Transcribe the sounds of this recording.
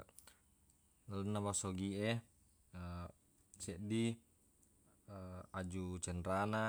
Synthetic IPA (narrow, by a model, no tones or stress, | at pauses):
lənːabasoɡiɛ | ə | sɛʔdi | ad͡ʒut͡ʃənɾana